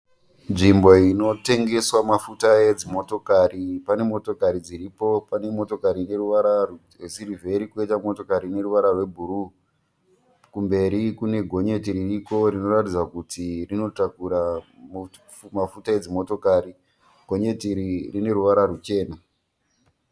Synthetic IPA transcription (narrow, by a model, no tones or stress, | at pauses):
nʐimbo̞ino̞te̞ŋɡe̞swamafutajed͡zimo̞to̞karipane̞mo̞to̞kaɾid͡ziripo̞pane̞mo̞to̞kaɾine̞ruʋaɾar | rwesirivʱe̞ɾikuetamo̞to̞kaɾine̞ɾuʋaɾarwe̞bʱuɾu | kumbe̞ɾikune̞ɡʱo̞ɲe̞tiɾiriko̞rino̞ratid͡zwakutʰirino̞takuɾam | mafutae̞d͡zimo̞to̞kaːɾi | ɡ̥ʱo̞ɲe̞tiɾirine̞ɾuʋaɾaɾut͡ʃe̞ːna